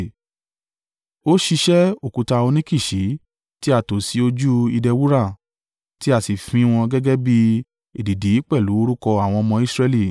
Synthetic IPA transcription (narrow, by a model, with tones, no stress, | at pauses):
o˦ʃi˧ʃɛ˦o˦˨kũ˨˧ta˧o˧nĩ˦ki˦˨ʃi˨˦ | ti˦a˦˨to˨si˨˦o˧d͡ʒu˦i˧dɛ˧wu˦ɾa˦˨ | ti˦a˦˨si˨fĩ˧˦˧w̃ɔ̃˧ɡɛ˦ɡɛ˦bi˦ | e˨di˨di˨˦k͡pɛ˦˨lu˨˦o˧ɾu˦kɔ˧a˦˨w̃ɔ̃˧ɔ˧mɔ̃˧i˦˨sɾɛ˧li˦˨